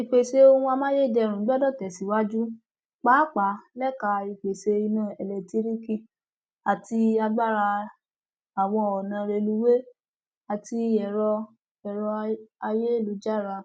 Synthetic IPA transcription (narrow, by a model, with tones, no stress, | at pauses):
i˨k͡pe˨se˧o˧hũ˧˦a˧mãː˦je˦i˨dɛ˧˨ɾũ˨˦ɡ͡bdɔ˦˨tɛ˨si˨˦wa˦d͡ʒu˦ | k͡pa˨˦k͡pa˨˦lɛ˦ka˧i˧k͡pe˨se˧i˧nã˦˨ɛ˨lɛ˨ti˨˦ɾi˦ki˧˨ | a˨ti˧a˧ɡ͡ba˦˨ɾa˧ | a˨w̃ɔ̃˧ɔ˨nã˧˦ɾe˧lu˧˦we˦ | a˨ti˧ɛ˨ɾɔ˧ | ɛ˨ɾɔ˧a˧je˦˨lu˨˦d͡ʒa˦˨ɾa˧